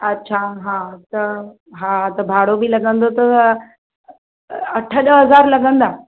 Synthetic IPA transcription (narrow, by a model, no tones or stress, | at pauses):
ɐtːɕʰaɦãt̪ɐ | ɦãt̪ɐbʱaːɽobilɐɡə̃nd̪ot̪ɐ | ɐʈʰəɗəɦɐzaːɾlɐɡə̃nd̪a